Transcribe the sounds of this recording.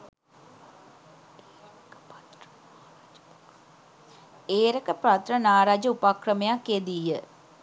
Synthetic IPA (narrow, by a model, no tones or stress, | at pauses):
eːɾəkəprat̪rənaːɾaːd͡ʒəupakrəmejakːed̪iːjə